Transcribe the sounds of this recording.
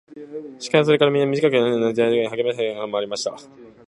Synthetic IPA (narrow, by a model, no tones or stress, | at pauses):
ɕi̥kamiso̞ɾe̞kaɾamʲĩnːamʲiʑikakɯ̟naonazeaiɯɲiɦaɡʲe̞mesẽaamaaːɾimaɕi̥t̪a